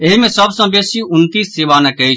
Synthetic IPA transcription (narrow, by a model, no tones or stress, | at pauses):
eɦimẽːsəbsãːbeːsiːʊnt̪iːsːeːʋaːnɛ̃ːkei